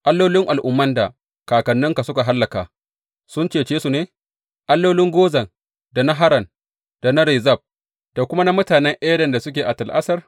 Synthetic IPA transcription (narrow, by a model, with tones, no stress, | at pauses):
ʔa˦lːoː˦lɪ˦ŋʔa˨lʔʊ˦mːɐ˦nda˨ | kaː˨kɐ˨nːɪ˦ŋka˨sʊ˦ka˨ɦa˦lːɐ˨kaː˨ | sʊ˦nt͡ʃeː˨t͡ʃeː˦su˨neː˦ | ʔa˦lːoː˦lɪ˦ŋɡʷoː˦zɐ˨ŋ | da˨na˦ɦa˦ɾɐ˨n | d̥a˨na˦ɾɛ˨zɐ˦˨b̚ | d̥a˨kʷʊ˦ma˦na˦mʊ˦taː˨nɛ˦ŋʔɛ˦dɐ˨nda˨sʊ˦kʲeː˨ʔa˨tɐ˨lʔa̰˦sɐ˦r